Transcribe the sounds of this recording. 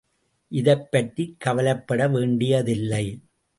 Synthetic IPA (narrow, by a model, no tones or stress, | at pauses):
ʔɪðɐɪpːɐʈrikːɐʋɐlɐpːɐɽɐʋeːɳɖɪjɐðɪlːɐɪ